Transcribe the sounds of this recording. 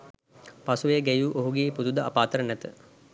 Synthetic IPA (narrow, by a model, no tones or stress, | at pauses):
pasuʋeəɡæjuːʔoɦuɡeːpud̪ud̪əapaːt̪əɾənæt̪ə̰